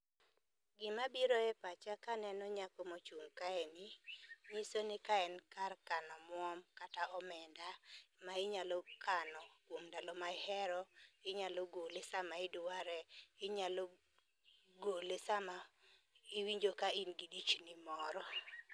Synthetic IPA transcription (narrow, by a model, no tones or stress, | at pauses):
ɡɪmabiɾɔɛpat͡ʃakanɛnɔɲakɔmot͡ʃuŋkaɛnimisonɪkaɛnkarkanɔmwɔmkataɔmɛndamaɪɲalɔkanɔkwomdalɔmaɪhɛɾɔɪɲalɔɡolɪsamaɪdʊwaɾɛɪɲalɔ | ɡolɪsama | iwiɲd͡ʒokainɡidit͡ʃnimɔɾɔ